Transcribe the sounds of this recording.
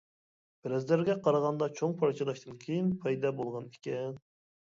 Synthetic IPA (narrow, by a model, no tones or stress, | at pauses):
b̥ɪɾɛzlæɾɡʲɛqʰɑɾɑʁɑnd̪ɑt͡ʃʰoŋpʰɑɾt͡ʃʰɑlˠɑʃt̪ɨnkʲʰejinpʰɑjd̪ɑbolˠʁɑnikʲɛn